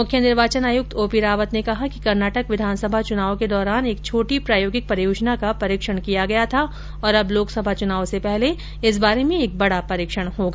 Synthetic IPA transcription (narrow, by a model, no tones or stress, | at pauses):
mʊkʰjənɪɾʋaːt͡ʃənaːjʊk̚t̪ʰoːpiɾaːʋət̪nekɐɦakikɐɾnaːʈəkʋɪd̪ʱaːnsɐbʱat͡ʃʊnaːʋõked̪ɔːɾaːneːk̚t͡ʃʰoːʈipɾaːjoːɡɪk̚pɐɾjoːd͡ʒnakapɐɾiːkʃəɽ̃kijaɡɐjat̪ʰa | ɔːɾɐbloːksɐbʱat͡ʃʊnaːõsepɛɦle | ɪs̬baːɾemẽeːk̚bɐɽapɐɾɪːkʃəɽ̃hoːɡaː